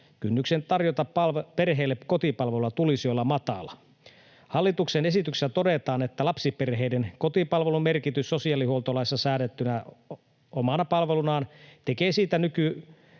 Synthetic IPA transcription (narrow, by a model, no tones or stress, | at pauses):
kynːyksent̪ɑrjot̪ɑpɑperɦeːlːeko̞t̪ipɑlʋelulɑt̪ulisiolːɑmɑt̪ɑ̰lɑ | hɑlːit̪uksenesit̪yksesːæt̪o̞det̪ɑːnet̪ːælɑpsiperɦeidenko̞t̪ipɑlʋelumerkit̪ysːo̞siɑːlihuolt̪olɑisːɑsæːdet̪ːynæ | omɑnɑpɑlʋelunɑːnt̪ekeːsiːt̪ænyky